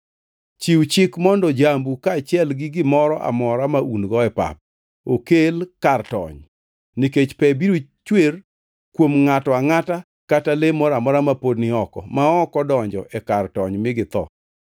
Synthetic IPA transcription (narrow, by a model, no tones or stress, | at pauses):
t͡ʃiwt͡ʃɪkmɔndɔd͡ʒambukaːt͡ʃɪɛlɡɪɡɪmɔɾɔʔa̰mɔɾamaʔunɡɔɛpa̰p̚ | okelkartɔ̰ɲ | niket͡ʃpɛbiɾot͡ʃwer | kwomŋatɔaŋata | katalemɔɾamɔɾamapodnɪɔkɔ̰maɔkɔdɔɲd͡ʒɔ̰ʔɛkartɔɲmɪɡɪt̪ɔ̰